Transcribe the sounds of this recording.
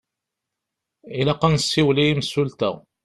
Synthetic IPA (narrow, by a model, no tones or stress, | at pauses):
ilæqːɑnsːiwlijimsult̪æ̰